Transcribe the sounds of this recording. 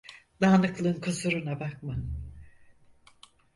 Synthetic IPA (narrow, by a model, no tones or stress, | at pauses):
d̪aːnɯklˠɯnkʰozuɾunabak̚ma